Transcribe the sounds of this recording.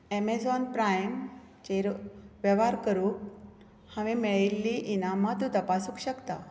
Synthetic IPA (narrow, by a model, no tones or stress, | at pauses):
emed͡zɔnpɾajm | t͡ɕeɾʋəʋaɾkəɾuːk | haʋimɛɭilːiʔinamat̪ut̪əpasukɕəkt̪a